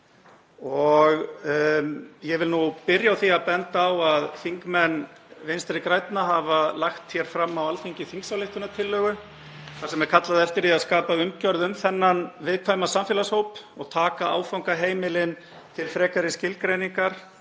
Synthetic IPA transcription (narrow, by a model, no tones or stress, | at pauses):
ɔɣ | jɛvɪlnupɪɾjawθiaðpɛnt̪aːwaðfiŋkmɛnːvejnst̪ɾɪkɾajt̪naɦavalaxt̪çjɛɾ̥fɾamːawalfiɲcɪθiŋksawlɪht̪ʏnat̪ʰɪlːœːɣʏ | θḁɾsɛmɛɾ̥kʰat̪laðɛft̪ɪɾiaðskaːpaʏmcœɾðʏmθɛnːanvɪðkʰvajmasamfjɛlashowpɔɣt̪ʰaːkaa̰ːwfawŋkaɦeːjmɪlɪn | t̪ʰɪlfɾɛːkaɾɪscɪlkɾejniŋkaɾ̥